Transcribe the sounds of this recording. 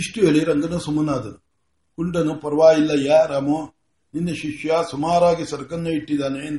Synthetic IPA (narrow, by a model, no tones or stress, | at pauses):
iʂʈijɐɭiɾɐŋɡɐnusumːɐnaːd̪ɐ | kuɳʈɐnupɐɾɐʋaːjilːɐjaːɾaːmu | ninːɐʃiʃjɐsumaːɾaːɡisɐɾɐkɐnːuiʈːid̪aːneːnd̪